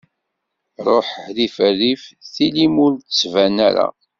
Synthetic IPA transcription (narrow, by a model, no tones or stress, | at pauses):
ɾˤoħhðifərːifθilimʊɾtsvænæɾa̰